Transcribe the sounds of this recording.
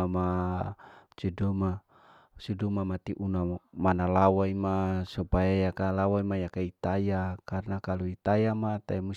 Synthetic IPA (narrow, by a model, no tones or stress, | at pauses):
ama | t͡ʃuduma | t͡ʃudumamat̪iʔunamanalawaimasupajajakalawaimajakait̪ajakarnakaluit̪ajamat̪aimus